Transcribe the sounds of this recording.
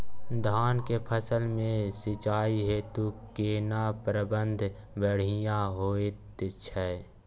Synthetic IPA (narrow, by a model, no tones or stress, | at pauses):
d̪ʱaːnkepʰəsəlmẽsɪt͡ʃaːiɦet̪okeːnapɾəbə̃nd̪ʱ | bəɽ̤ɪjãɦoːet̪ɪt͡ʃʰɛ